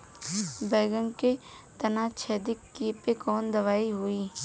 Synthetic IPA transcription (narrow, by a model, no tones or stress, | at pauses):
bɛːɡə̃ŋke | t̪ɐnaːt͡ʃʰɛːd̪ɪkːiːpekɔːnd̪ɐʋaːiɦoiː